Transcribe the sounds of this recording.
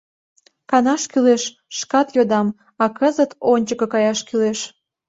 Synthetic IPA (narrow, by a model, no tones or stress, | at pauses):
kɑnɑʃkyleʃ | ʃkɑt̪jod̪ɑm | ɑkəzət̪onʲt͡ɕəkɤ̆kɑjɑʃkyleʃ